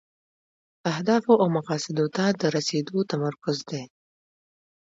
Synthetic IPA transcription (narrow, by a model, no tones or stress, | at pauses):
ahd̪ɑfoʔawmaqɑsɪd̪ot̪ad̪əɾased̪ot̪amaɾkʊzd̪e